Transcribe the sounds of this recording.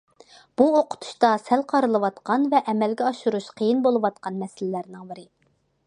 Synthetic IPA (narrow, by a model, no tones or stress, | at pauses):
b̥uoqʰʊ̥t̪ʰu̥ʃt̪ɑsɛlqʰɑɾɨlˠɨwɑt̪qɑnvɛʔɛmɛlɡʲɛɑʃuɾuʃqʰəjinbolˠɨwɑt̪̚qʰɑnmɛsɪlɪlæɾnɪŋbɪɾɪ